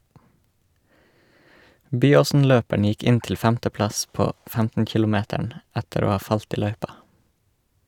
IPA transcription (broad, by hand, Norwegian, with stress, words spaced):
ˈbyːoːsn̩ˌløːpæɳ ˈjɪk ˈɪn ˈtɪl ˈfæmtəˌplɑs ˈpoː ˈfæmtn̩ ˈkɪlʊˌmeːtæɳ ˈætəɾ ˈoː ˈhɑː ˈfɑlt ˈiː ˈlœʏpɑ